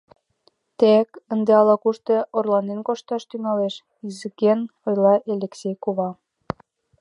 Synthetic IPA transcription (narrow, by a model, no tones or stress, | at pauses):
t̪ekənd̪eɑlɑkuʃt̪eorlɑnenkoʃt̪ɑʃt̪yŋɑleʃ | izikenojlɑʔelʲeksʲejkuβɑ